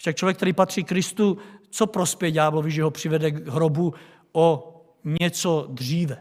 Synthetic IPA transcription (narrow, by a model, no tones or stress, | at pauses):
ʃak̚t͡ʃlovjɛkt̪ɛɾiːpat̪r̥ikɾɪst̪ut͡sopɾospɛjɛɟaːblovɪʒɛɦopr̥ɪvɛdɛɡɦɾobu | o | ɲɛt͡sod̪riːvɛ